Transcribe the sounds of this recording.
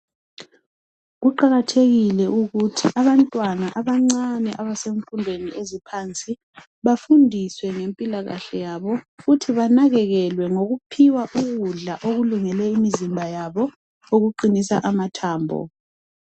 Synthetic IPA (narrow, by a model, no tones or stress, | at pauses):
ɣuǃaɣatʰeɣilɛʔuɣutʰiʔaβantʼwanaʔaβaŋ͡ǀanɛʔaβaseɱfundʱweniʔezipʰant͡sʼi | βafundʱiswɛŋempʼilaɣa̰ɬɛjaβɔɣutʰiβanaɣɛɣɛlwɛŋoɣupʰiwaʔuɣuɮaʔoɣuluŋɛlɛimizimbʱajaβɔ | oɣuǃinisa̰ʔamatʰaːmbʱɔ̰